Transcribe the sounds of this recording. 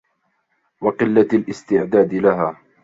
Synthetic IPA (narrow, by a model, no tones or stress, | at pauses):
wɑqɨlːalʔɪst̪ɪʕd̪aːd̪ɪlaɦaː